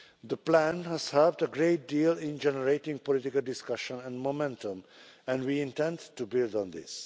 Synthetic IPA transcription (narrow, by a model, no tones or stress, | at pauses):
d̪əplæ̃nhæz̥həːvdəɡɾeːt̚diːlɪ̃nd͡ʒɛnəɾeɪʈɪ̃ŋpɔlɪʈɪkəldɪskʌʃə̃næ̃nmomɛ̃ntə̃mæ̃nɖwiːɪ̃ntɛ̃ndtubɪldɔ̃nd̪ɪ̰s